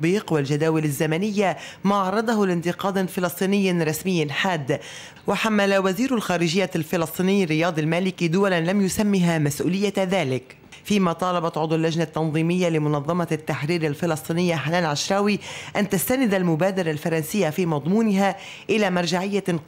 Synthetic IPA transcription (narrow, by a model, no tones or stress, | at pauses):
biːqwald͡ʒad̪aːwɪlazːamanɪjːamaːʕɑɾˤɑd̪ˤɑhʊlɪnt̪ɪqɑːd̪fɪlɨsˤt̪ˤiːnɪjːɾˤɑsmɪjːɪnħaːd̪ː | waħamːalawaziːɾʊlxaːɾɪʒɪjːalfɪlɑsˤt̪ˤiːnɪjːrːɪjɑːd̪ˤɪlmaːlɪkid̪ʊwalanlamjʊsamːiɦamasʔṵːlɪjːaðaːlɪk | fiːmaːt̪ˤɑːlɑbɑt̪ʕʊd̪ˤalːaʒnat̪ːɑnðˤiːmɪjːalɪmʊnɑðˤːɑmɑt̪ːaħɾiːɾalfɪlɑsˤt̪ˤiːnɪjːaħanaːnʕaʃɾˤɑːwiʔant̪ast̪anɪd̪almʊbaːd̪ɑɾˤɑlfɑɾˤɑnsɪjːafiːmɑd̪ˤmuːnɪɦa | ʔɪlaːmɑɾˤʒaʕɪjːa